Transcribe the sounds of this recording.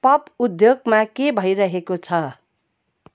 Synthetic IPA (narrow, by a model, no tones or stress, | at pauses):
pʌpud̪joɡmakebʱʌjɾʌɦekot͡sʰʌ